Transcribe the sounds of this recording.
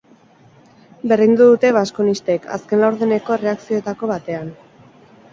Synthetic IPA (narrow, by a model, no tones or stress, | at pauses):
be̞rðind̪uðut̪e̞βaskonist̪ekʰa̰ske̞nlawɾðene̞ko̞ere̞aksioet̪ako̞βat̪e̞an